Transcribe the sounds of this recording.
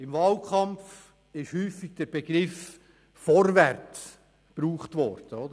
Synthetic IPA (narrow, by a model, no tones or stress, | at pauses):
ɪmvɑːlkχɑmf | ɪʃhyːfiɡ̥̚d̥ɛɾb̥eɡ̥ɾɪf | fɔɾværtt͡s | b̥ɾuːχt̪vɔ̰ɾd̥əɔd̥̪ə